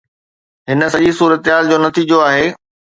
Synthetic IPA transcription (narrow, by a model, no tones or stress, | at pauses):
ɦɪnə̆sɐʄisuːɾət̪ɦaːld͡ʑoːnɐt̪iːd͡ʑoaːɦeː